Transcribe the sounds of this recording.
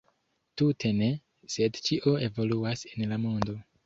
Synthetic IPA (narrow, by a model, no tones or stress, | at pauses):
tutʰe̞ne̞ | se̞dt͡ʃiʔo̞e̞vo̞luasenlamo̞ndo̞